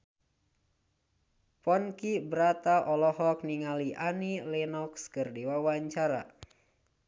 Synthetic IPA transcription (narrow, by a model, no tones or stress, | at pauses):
pɔnkibəɾat̪aʔɔlɔhɔk̚niŋaliʔanilɛnɔkskɨrdiwawaɲt͡ʃaɾa̰